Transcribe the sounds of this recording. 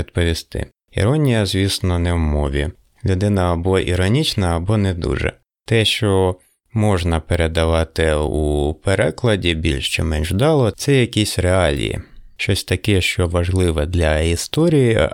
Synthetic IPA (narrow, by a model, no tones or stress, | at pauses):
id̪pɔʋʲist̪ɪ̰ | ḭɾɔnʲijɐzʲʋʲisnɔnɛwmɔʋʲḭ | lʲʊd̪ɪnɐːbɔʔḭɾɔnʲit͡ʃnɐːbɔnɛd̪ṵʒɛ̰ | t̪ɛʃt͡ʃɔ | mɔʒnɐpeɾed̪ɐʋɑt̪ɪupeɾɛklˠɐdʲibʲilʲʃt͡ʃɪmɛnʒd̪ɑlˠɔt̪sɛjɐkʲisʲɾeɑlʲḭjḭʃt͡ʃɔsʲt̪ɐkɛʃt͡ʃɔʋɐʒlˠɪʋɛd̪lʲɐist̪ɔɾʲiji